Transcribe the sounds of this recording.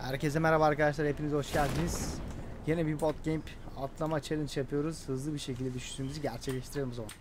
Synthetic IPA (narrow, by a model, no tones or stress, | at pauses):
hæ̰ɾcʰe̞zd̪ɛmeɾabaaːɾkad̪aʃ̬lˠaɾe̞pʰinizhoʃɟælʲd̪iniz̥ | jenɛbiɾbo̞t̪̚cʰemp | at̪ʰlˠamat͡ʃʰelʲˠint͡ʃjapʰɯjo̞ɾuz̥hɯzlˠɯbiɾʃe̞cilʲd̪ed̪yʃy̥syymyziɟæɾt͡ʃʰɛclʲeʃt̪ʰiɾeimizolˠun